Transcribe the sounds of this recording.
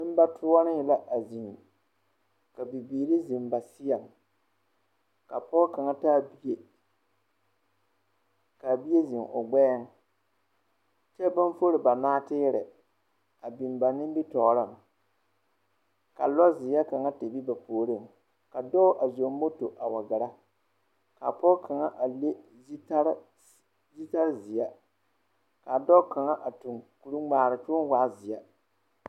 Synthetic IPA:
nɪ˦m˦ba˦tʰʊ˦a˦nɪ˦hɪ˨la˦ʔa˨zi˨ŋ˨ | ka˨bi˨biː˨ɾi˦zɪ˨mba˨sɪ˦ja˨ŋ | ka˨pɔː˦ka˨ŋa˦taː˦˨bi˦je˦ | ka˨bi˦je˦zɪ˨ŋʔʊ̰˨ɡ͡bɛ˦ŋ˦ | t͡ʃɛ˦ba˦n˦fo˦ɾɪ˨ba˨naː˦tɪː˦ɾɪ̰˨ | a˨bi˨m˨ba˨nɪ˦m˦bi˦tɔː˨ɾa˦˨ŋ˨ | ka̰˨lɔ˦zɪ˨a˦ka˨ŋa˦te˨bi˦ba˨poː˨ɾɪ˦˨ŋ | ka˨dɔ˦ʔa˨zo˨mː˦o˦to˨ʔa˨wa˨ɡa˨ɾa˦ | ka˨pɔ˦kʰa˨ŋa˦ʔa˨le˦ | ta˦ɾ | zi˦ta˦ɾzɪ˨ɛ˦ | ka˨dɔ˦ka˨ŋa˦ʔa˨tu˨ŋku˨ɾu˦ŋ͡maː˨ɾɪ˨t͡ʃʊ˦ŋ˦waː˦zɪ˨ja˦

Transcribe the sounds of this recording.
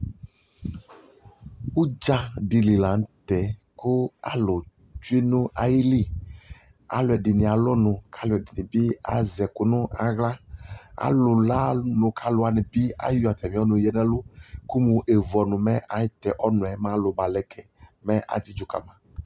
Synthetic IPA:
wu˦d͡ʒa˦ɖi˨li˨la˨n˦t̪ɛ˨ | ko˦a̰˨lo˨ | d͡ʒu˦i˦nũ˦a˨ji˦li˦ | a̰˨lo˨ɛ˨ɖi˨nĩ˨a˨lɔ˦nũ˨kʰa˦lo˨ɛ˨di˨nĩ˨bi˦a̰˨zɛ˨ko˨nũ˦a˨ɣla˦a̰˨lo˨la˦nũ˨kʰa˦lo˨˦a˨nɛ̃˨bi˦a̰˦jo˦a˨t̪ɛ˨mĩ˦ɔ˦nũ˨jɛ˦nɛ̃˦lo˦ku˦mũ˨ʔe˨vɔ˨nũ˨mɛ˦ʔa˨jt̪ɛ˨ʔɔ˦nũ˨ɛ˨mã˦lo˨ba˨lɛ˦kʰɛ˨mɛ˦ʔa̰˨d͡zi˦d͡ʒo˨ka̰˨mã˨

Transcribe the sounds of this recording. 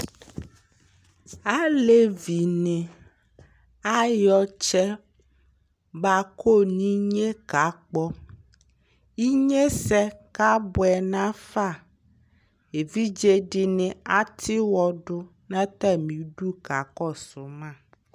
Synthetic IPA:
a˦le˦vi˨nẽ˨ | a˦jɔ˦t͡ʃɛ˦ | ba˨ko˦nĩ˦ɲe˦ka˨k͡pɔ˦ | i˦ɲe˦sɛ˦ka˦bo˨ɛ˨nã˦fa˦˨ | e˨vi˦d͡ʒe˦ɖi˨nẽ˨a˨t̪ʰi˦wɔ˨ɖo˦ | nã˦t̪ɛ˦mĩ˨ɖu˦ka˨kɔ˦so˨mã˦˨

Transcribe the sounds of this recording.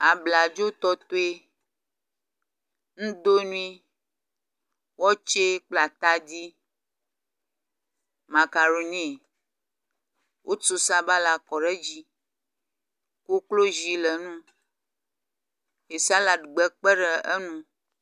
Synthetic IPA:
a˨bla˨d͡ʒo˦t̪ɔ˦t̪o˦e˦ | nũ˦d̪o˦nũ˦ĩ˦ | wɔ˦t͡ʃe˦k͡pla˨t̪a˦di˦ | mã˨ka˨ɾo˨nĩ˦˨ | wʔo˦t͡so˦sa˦ba˦la˨kɔ˨ɖɛ˦d͡ʑi˦ | ku˦klo˦zi˦lɛ˨nũ˦ | e˨sa˦la˨dɡ͡bɛ˨k͡pɛ˦ɖɛ˨ɛ˦nũ˦

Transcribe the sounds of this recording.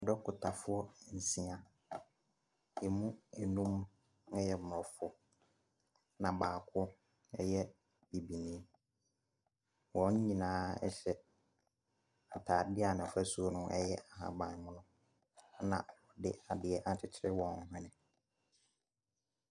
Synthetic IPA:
ɔ˨dɔ˦kʰʊ˨tʰa˨fʊ˦ɔ˦˨n̩˨si˦ã˨ | jɛ˨mũ˦ɛ˨nũ˦m˦ | ɛ˦jɛ˦mʊ˨ɾɔ˨fɔ˦ | nã˨baː˨kʰʊ˦ | ɛ˦jɛ˦ | bi˨bi˨nĩ˦ | wɔ̃˨ɲ˦ɲĩ˨nãː˦ɛ̰˦ɕɛ˦ | a˨tʰaː˨dɪ˦a˨nɪ̃˨fæ˦su˦o˦nʊ̃˦ɛ˦jɛ˦a˨ɦã̰˨bã˨mʊ̃˦nʊ̃˦ | nã̰˨wɔ˨dɪ̰˦a˨dɪ˨ɛ˦ʔa˨t͡ɕʰɪ˨t͡ɕʰɪ˦ɾɪ˦wɔ̃˨˦ɦɛ̃˦nɪ̃˨

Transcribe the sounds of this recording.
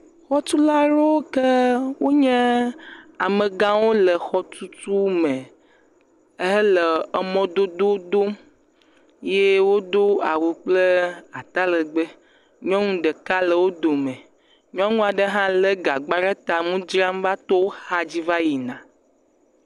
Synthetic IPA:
xɔ˦t̪u˦la˦ɾo˦ke˦wo˦ɲɛ̃˦ | a˨mə̃˨ɡã˦wo˦lə˨xɔ˦t̪u˦tu˦mɛ̃˨ | e˦ɛ˦lə˨ə˨mɔ̃˦d̪o˦d̪o˦d̪o˦ | je˦wo˦d̪o˦a˨wu˨k͡plə˦a˨t̪a˦lə˨ɡ͡bə˦ | ɲɔ̃˦ŋũ˦ɖə˨ka˦lə˨wo˦d̪o˨mẽ˨ | ɲɔ̃˦ŋũ˦a˨ɖə˦ɦã˦lə˦ɡa˨ɡ͡ba˦ɖa˦t̪a˨mũ˦d͡ʒɾa˦m˦va˦t̪o˦wo˦xa˦d͡ʑi˦va˦ji˨nã˨

